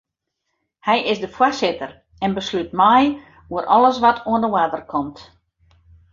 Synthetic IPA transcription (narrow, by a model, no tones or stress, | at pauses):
hɛjɪsdəfwasɪtər | ɛnbəslytmɛj | uəɾʔɔlˠəs̬ʋatʰuəndəwadərkʰɔmt